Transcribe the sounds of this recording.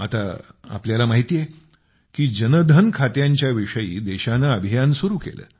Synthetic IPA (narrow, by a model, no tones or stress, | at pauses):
at̪a̰a̰pljalamaɦit̪ije | kiːd͡ʑənəd̪ʱənkʰat̪jaɲt͡ɕjaʋiʂəjḭːd̪ɛɕanaəbʱijansuɾuːkḛlə̰ː